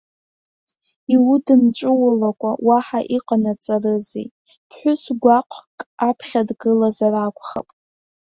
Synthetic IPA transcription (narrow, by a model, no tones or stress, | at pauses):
iwudɨmt͡ʃʷʼɨwʊlakʷʼawaħaʔiqʼanat͡sʼarɨzḭ | pʰħʷᶣʊsɡʷaqʷʰkʼapʰχʲadɡɨlazarakʷʰʼχa̰pʼ